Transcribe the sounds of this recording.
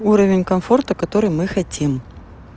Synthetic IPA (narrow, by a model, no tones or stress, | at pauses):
uɾəvʲɪnʲkɐmfort̪əkɐt̪oɾɨjmɨxɐtʲim